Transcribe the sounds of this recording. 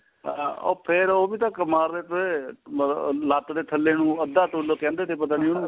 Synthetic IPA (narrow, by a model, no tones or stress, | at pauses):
o̰ːpʰɪɾoːbiːt̪ãːkəmaːɾd̪eːt̪ə | laːt̪d̪eːʈ̪ʰəlːeːnũːəd̪aːt̪oloːkɛ̃ːnd̪eːt̪eːp̬ət̪̬aːnĩːonũː